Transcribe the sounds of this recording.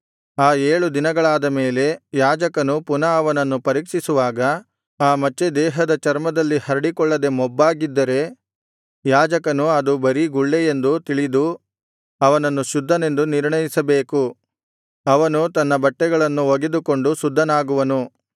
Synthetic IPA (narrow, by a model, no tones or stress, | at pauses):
aːeːɭud̪inɐɡɐɭaːd̪ɐme̞ːle̞jaːd͡ʒɐkɐnupunɐɐʋɐnɐnːupɐɾiːkʂisuʋaːɡɐ | aːmɐt͡ʃːed̪ɛːɦɐd̪ɐt͡ʃɐɾmɐd̪ɐlːihɐɾɐɽikɔɭːɐd̪e̞mɔbːaːɡid̪ːɐɾe̞ | jaːd͡ʒɐkɐnuɐd̪ubɐɾiɡuɭːeje̞nd̪ut̪iɭid̪u | ɐʋɐnɐnːuʃud̪ʱːɐne̞nd̪uniɾɳɐjisɐbeːku | ɐʋɐnut̪ɐnːɐbɐʈːɛɡɐɭɐnːuoɡed̪uko̞ɳɖusud̪ʱːɐnaːɡuʋɐnu